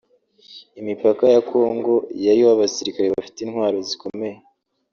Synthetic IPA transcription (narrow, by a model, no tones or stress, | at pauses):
imipakajakʰo̞ŋɡo̞jaɾioaβasiɾikaɾeβafi̥tinhwaːɾo̞ziko̞me̞je